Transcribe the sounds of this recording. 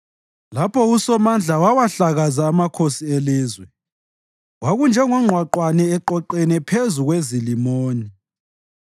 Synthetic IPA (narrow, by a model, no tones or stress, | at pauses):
lapʰɔusɔmand͡ɮʱawawaɬaɣazaːmakʰosieliːzwɛ | waɣund͡ʒʱɛŋɔŋ͡ǃʱwaǃwanɛːǃɔǃɛnɛpʰezuɣwezilimoːni